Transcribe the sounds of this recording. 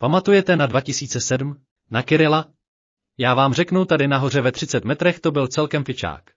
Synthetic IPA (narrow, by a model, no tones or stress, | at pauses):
pamat̪ujɛt̪ɛnadvacɪsiːt͡sɛsɛdm̩ | nakɪɾɪla | jaːvaːmr̝ɛknuwt̪adɪnaɦo̞r̝ɛvɛt̪r̥ɪt͡sɛt̪mɛt̪ɾɛxt̪o̞bɪlt͡sɛlkɛmfɪt͡ʃa̰ːk